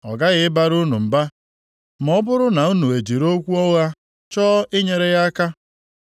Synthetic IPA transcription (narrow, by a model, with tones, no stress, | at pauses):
ɔ̰˨ɡa˦ɣɪ˦ɪ˦ba˦ɾu˦nu˨m̩˨ba˦ | m˨ɔ˦bʊ˦ɾʊ˦na˨u˦nu˨e˨d͡ʒi˨ɾo˦kʷu˦ɔ˦ɣa˦ | t͡ʃɔː˦ʔɪ˦ɲe˨ɾe˦ɣa˦ka˦